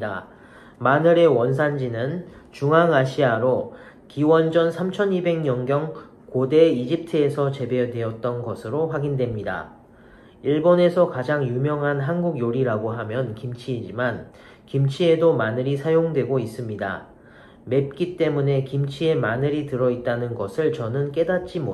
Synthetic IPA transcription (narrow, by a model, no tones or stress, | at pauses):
da | manɯɾe̞wʌns̬ʰand͡ʑinɯn | t͡ɕuŋɦaŋaɕʰiaɾo | kiwʌnd͡ʑʌnsʰamt͡ɕʰʌnibe̞ŋɲʌŋɡjʌŋ | kode̞id͡ʑip̚tʰɯesʰʌt͡ɕe̞be̞dwe̞ʌt̚t͈ʌnɡʌsʰɯɾoɸwaɡindwe̞mɲida̰ | iɭbone̞sʰʌkad͡ʑaŋjumjʌŋɦanɦanɡuɡjoɾiɾaɡoɦamjʌnkimt͡ɕʰiːd͡ʑiman | kimt͡ɕʰie̞domanɯɾisʰajoŋdwe̞ɡois͈ɯmɲida̰ | me̞p̚k͈it͈e̞mune̞kimt͡ɕʰie̞manɯɾitɯɾʌit̚t͈anɯnɡʌsʰɯɭt͡ɕʌnɯnk͈e̞dat̚t͡ɕ͈imo